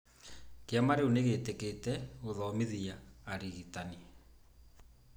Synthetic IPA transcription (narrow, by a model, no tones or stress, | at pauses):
keamaɾeuneɣeteketɛoðɔmeðiaːɾiɣitani